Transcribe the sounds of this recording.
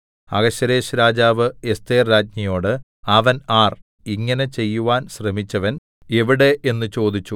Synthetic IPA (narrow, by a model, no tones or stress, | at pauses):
ɐ̰ɡɐɕːɐɾe̞ːɕɾaːd͡ʑaːʋɨe̞st̪e̞ːrɾaːd͡ʑɲɐjo̞ːɽɨ | ɐʋɐnaːr | iŋːɐnet͡ɕe̞jːuʋaːnɕrɐmit͡ɕːɐʋɐn | e̞ʋiɽe̞ʔe̞nːɨt͡ɕo̞ːd̪it͡ɕːu